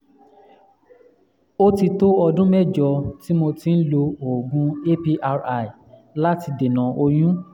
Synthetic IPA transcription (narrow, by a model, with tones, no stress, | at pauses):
o˦ti˧to˦ɔ˧dũ˦mɛ˦˨d͡ʒɔ˧ti˦mo˧ti˧n̩˦lo˧o˨ɡũ˨˦e˦pi˧ʔa˧ɾa˨i˨la˦ti˧de˨nã˨o˧j̃ũ˦